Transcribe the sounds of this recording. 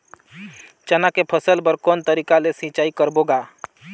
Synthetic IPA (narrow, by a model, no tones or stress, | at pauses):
t͡ʃənakepʰəsəlbəɾkɔːnt̪əɾiːkalesĩt͡ʃaːikəɾboːɡaː